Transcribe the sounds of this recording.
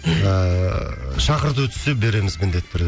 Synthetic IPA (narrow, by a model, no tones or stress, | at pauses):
ə | ʃɑqəɾt̪əwɵt̪ʰɪ̥sep̚be̞ɾe̞mɪzmɪnd̪e̞t̪ʰːʏɾ